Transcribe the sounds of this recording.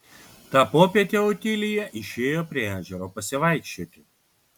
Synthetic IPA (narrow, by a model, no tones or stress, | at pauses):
t̪ɑːpoːpʲiɛt̪ʲeot̪ʲɪlʲɪjɛʔɪʃʲeːjoːpʲɾʲiɛæːʒʲɛɾoːpɐsʲɪʋɐˑɪkʃʲt͡ʃʲoːt̪ʲɪ